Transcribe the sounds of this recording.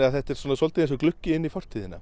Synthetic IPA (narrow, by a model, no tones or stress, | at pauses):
aðθɛht̪ɛɾswɔːnasɔlt̪ɪensʏklʏhcːɪɪnːifɔr̥t̪ʰiːðɪna̰